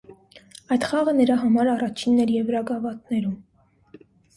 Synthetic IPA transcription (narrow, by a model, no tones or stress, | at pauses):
ɑjt̪χɑʁənəɾɑɦɑmɑɾɑrɑt͡ʃʰinːɛɾjɛvɾɑɡɑvɑt̪nɛɾum